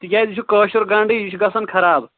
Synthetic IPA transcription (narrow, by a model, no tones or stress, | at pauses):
t̪ikʲaːjd̪it͡ʃʰukɐːʃuɾɡɐ̃ɳɖijit͡ʃʰuɡɐsɐnkʰɐɾaːb